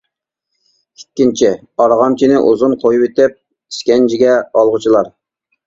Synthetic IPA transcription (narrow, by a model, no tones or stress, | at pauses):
ikʲːint͡ʃʰi | ɑɾʁɑmt͡ʃʰinɪʔuzunqʰojupet̪ɪp̚ | i̥skʲɛnd͡ʒʰiɡʲɛɑlˠʁʊt͡ʃʰilˠɑɾ